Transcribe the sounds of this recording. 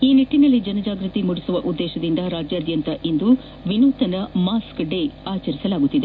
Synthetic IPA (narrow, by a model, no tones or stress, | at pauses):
iːniʈːinɐlːid͡ʒɐnɐd͡ʒaːɡɾɨt̪imuɽisuʋɐʔud̪ːɛːʃɐd̪ind̪ɐɾaːd͡ʒjaːd̪jɐnt̪ɐʔind̪u | ʋinuːt̪ɐnɐmaːskɖeaːt͡ʃɐɾisɐlaːɡut̪ːid̪e